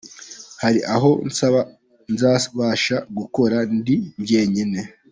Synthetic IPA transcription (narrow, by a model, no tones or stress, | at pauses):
haɾiʔaɦo̞nsaβa | nzaːβaʃaɡuko̞ɾandiɲɟe̞ɲine̞